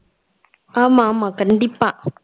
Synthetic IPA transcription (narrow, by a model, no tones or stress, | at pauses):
amamakan̩dipa